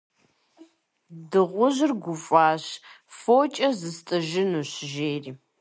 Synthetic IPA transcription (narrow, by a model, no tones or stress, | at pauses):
dɨʁʷʊʑɪrɡʷʊfʷʼaːɕ | foːt͡ʃʼɐzɨstʼɨʒɪnuːɕʒeːriː